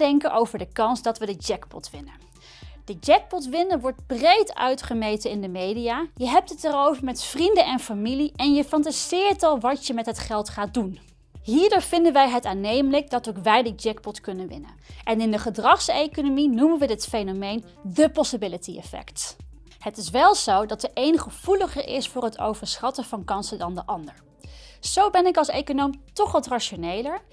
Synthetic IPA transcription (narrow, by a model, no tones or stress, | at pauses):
dɛŋkənʔowvəɹdəkɑnzdɑtʋədəd͡ʒɛkpɔ̰tʋɪnə | d̥əd͡ʒɛk̚pɔtʋɪnəʋɔɹd̚brejtœ̰ɥtχəmejtənɪndəmejdijaːjəɦɛp̚tɦətɛɾowvəɹmɛtfrindənʔɛnfamiliʔɛnjəfɑntazɪːɹtɑlˠʋɑtjəmɛtɦətχɛlˠtχaːt̚dun | ɦiːɹdʊːɹv̥ɪndənʋɛjɦətaːnejmələk̚dɑtowkʋɛjdəd͡ʒɛkpɔtkɵnənʋɪ̰nə̰nʔɛnɪndəχədrɑχsejkonominumənʋədɪtfejnomejn | dəpɔsəbɪlətiɛ̰fɛ̰kt | hətɪsʋɛlˠz̥owdɑtəʔejnχəv̥uləχəɹʔɪ̰sfʊːɹɦəto̰wvəɹsχɑtəv̥ɑnkɑnsədɑndəʔɑndəɹ | z̥owbɛnɪkɑlˠsejkonowmtɔχʋɑtraʃonejləɹ